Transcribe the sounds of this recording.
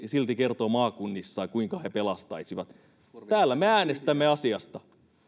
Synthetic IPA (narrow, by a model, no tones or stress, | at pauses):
silt̪ikert̪oːmɑːkunːisːɑikuiŋkɑhepelɑst̪ɑisiʋɑt̪ | æːlːæmeæːnest̪æmːeɑsiɑst̪ɑ